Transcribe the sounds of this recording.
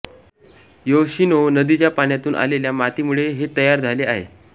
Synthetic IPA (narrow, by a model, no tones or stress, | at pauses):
joɕinonəd̪it͡ɕjapaɳjat̪uːnʔa̰leljamat̪imuɭeɦet̪əjaɾd͡zʱaleaɦḛ